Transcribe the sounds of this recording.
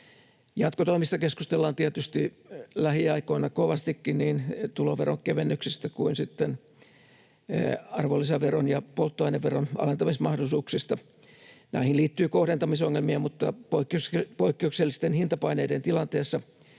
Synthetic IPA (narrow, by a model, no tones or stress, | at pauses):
jɑt̪kot̪oimist̪ɑkeskust̪elːɑːnt̪iæt̪yst̪i | læhiɑikoinɑkoʋɑst̪ikːinniːnt̪uloːʋeroŋkeʋenːyksist̪ækuinsit̪ːen | ɑrʋolːiseʋeronjɑpolt̪ːoɑineʋʋeronɑ̰lent̪ɑmismɑhdosuːksist̪ɑ | næ̰ihinliːt̪ːyːkohɾent̪ɑmisoŋːelmiɑmut̪ːɑpoikːspoikːeukselːist̪enhint̪ɑpɑineident̪ilɑnt̪eːsːɑ